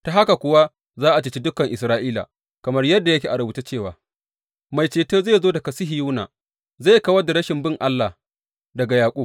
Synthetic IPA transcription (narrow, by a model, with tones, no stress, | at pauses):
ta˨ɦa˦ka˨kʷʊ˨wa˦ | zaː˦ʔa˨t͡ʃɪ˨˦t͡ʃi˦dʊ˦kɐ˨ŋʔɪ˨s̬ɾaː˦ʔiː˦la̰˨ | kɐ˨mɐ˦rjɐ˦dːa˨jɐ˦kʲeː˨ʔa˨ɾʊ˨buː˨ta˦t͡ʃeː˦˨wa̰ː˨ | ma˨jt͡ʃeː˨toː˦zeː˦˨zoː˦dɐ˨kɐ˨sɪ˦ɦi˨ju˦na̰ː˨ | za˦˨jkɐ˦wɐ˦da˨ɾɐ˦ʃɪ˨mbɪ˦ŋʔa˦lːa˨ | dɐ˨ɡa˨jaː˨kʷʼu˦b̚